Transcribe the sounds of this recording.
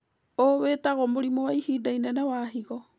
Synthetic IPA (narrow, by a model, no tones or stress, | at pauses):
oweːtaɣɔmoɾimowaihiːdainanawaːɦiɣɔ